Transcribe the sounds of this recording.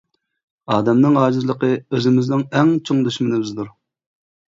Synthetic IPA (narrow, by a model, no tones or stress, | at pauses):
ɑːd̪ɛmnɨŋɑːd͡ʒizlˠəqʰəøzɪmɪznɪŋɛŋt͡ʃʰoŋd̪yʃmɪnɪbɪzd̪uɾ